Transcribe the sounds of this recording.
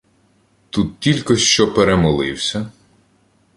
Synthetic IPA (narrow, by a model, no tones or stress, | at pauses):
t̪ut̪̚tʲilʲkɔʃt͡ʃɔpeɾemɔlˠɪwsʲɐ